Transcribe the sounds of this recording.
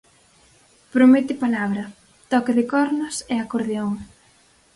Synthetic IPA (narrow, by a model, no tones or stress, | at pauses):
pɾomet̪ɪpalaβɾɐ | t̪ɔkɪðɪkɔɾnʊseakoɾðeoŋ